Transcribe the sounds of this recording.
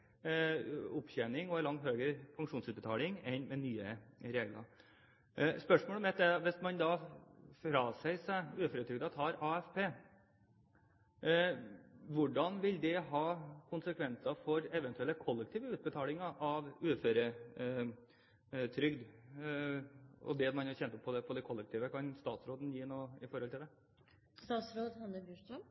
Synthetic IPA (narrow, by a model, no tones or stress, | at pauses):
ʊpçɛnɪŋɔɛlɑŋt̪høːɡɾəfɑŋkʂuːnsʉːt̪bət̪ʰɑːlɪŋɛnmɛnyːə̰ɾeːɡlɑ̰ | spœʂmoːlɔmɛt̪ːɛʋɛsmɑnd̪ɑːfɾɑːsæɪsæɪʉːføːɾət̪ʰɾʏɡd̪ɑt̪hɑɾɑːɛfpʰeː | ʋʊɖɑnʋɪld̪ɛɦɑːkʰʊnsəkʰʋɛnsɑfɔɾɛʋɛnt̪ʉɛlːəkʰɔlːɛk̚t̪ʰiːʋəʉːt̪̚bət̪ʰɑːlɪŋɑʔɑʋʉːføːɾə | t̪ʰɾʏɡd̪ | ɔ̰d̪ɛd̪mɑnɑçɛnt̪ɔpʰːɔd̪ɛpʰɔd̪ɛɪkʰɔlːɛkt̪ʰiːʋəkʰɑnst̪ɑːt̪sɾoːd̪ənjiːnoːɪfɔɾhɔlt̪ɪld̪ɛ | st̪ɑːt̪sɾoːd̪hɑnəbjʉʂɔm